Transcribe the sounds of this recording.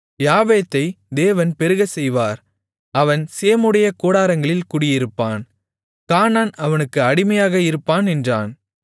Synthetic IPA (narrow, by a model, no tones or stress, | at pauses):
jaːʋeːt̪ːɐɪ | d̪eːʋɐnpɛɾɯɣɐsɛjʋaːɾ | ɐʋɐnseːmɯɽɐjɐkoːɽaːɾɐŋɡɐɭɪlkʊɽɪjɪɾɯpːaːn | kaːnaːnɐʋɐnɯkːɯɐɽɪmɐjaːɣɐɪɾɯpːaːnɛndra̰ːn